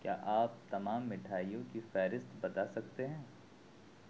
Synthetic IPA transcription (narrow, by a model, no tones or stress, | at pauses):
kja̰ːʔaːp̚t̪ɐmaːmːɪʈʰaːijõkifɛːɾɪst̪bɐt̪asɐk̚t̪eɦɛ̃ː